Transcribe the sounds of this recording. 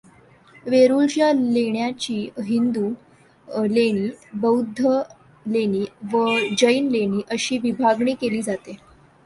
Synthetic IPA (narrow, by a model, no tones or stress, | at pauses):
ʋeɾult͡ɕjaleɳjat͡ɕiːɦind̪u | leɽ̃iːbəwd̪ʱə | leɽ̃iːʋəd͡ʑəinleɽ̃iːʔəɕiːʋibʱaɡɳiːkeliːd͡zat̪e